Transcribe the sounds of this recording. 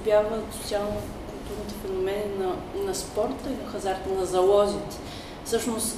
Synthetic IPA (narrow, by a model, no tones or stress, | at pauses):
bʲjavmɛsot̪sialˠno | kulˠt̪uɾnit̪ɛfɛnomɛninɐ | nɐspɔɾt̪əinɐxɐzaɾt̪ənɐzɐlˠɔzit̪ɛ̥ | fsɤʃnost̪